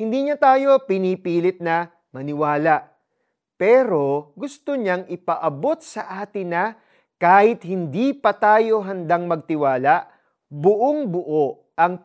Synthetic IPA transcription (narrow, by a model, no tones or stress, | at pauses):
hɪnd̪iːɲat̪aːjo̞pɪniːpiːlɪt̪̚nɐ | mɐnɪwaːlɐʔ | pɛːɾo̞ɡʊst̪oɲaŋɪpɐʔɐbo̞t̪̚sɐʔaːt̪ɪnɐ | kaːhɪt̪̚hɪnd̪ipɐt̪aːjo̞ɦɐnd̪aŋmɐɡ̚t̪ɪwaːlɐʔ | bʊʔoŋbʊʔoʔ | ɐŋ